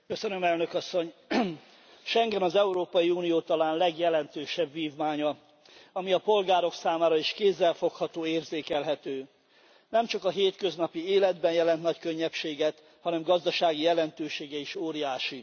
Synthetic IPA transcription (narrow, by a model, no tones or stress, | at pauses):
kø̞sønømɛlnøkɒsːo̞ɲ | ʃɛŋɡɛnɒzɛuɾoːpɒjiuːnijoːt̪ɒlaːnlɛɡjɛlɛnt̪øːʃɛbʋiːvmaːɲɒ | ɒmiɒpo̞lɡaːɾo̞ksaːmaːɾɒiʃkeːzːɛlfo̞khɒt̪oːeːrzeːkɛlɦɛt̪øː | nɛmt͡ʃɒkɒɦeːt̪kø̞znɒpieːlɛd̪bɛnjɛlɛnt̪nɒckø̞ɲːɛpʃeːɡɛt̪ | hɒnɛmɡɒzd̪ɒʃaːɡijɛlɛnt̪øːʃeːɡɛiʃoːɾijaːʃi